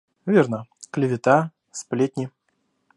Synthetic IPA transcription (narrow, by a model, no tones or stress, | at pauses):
vʲernəklʲɪvʲɪt̪a | splʲet̪ʲnʲɪ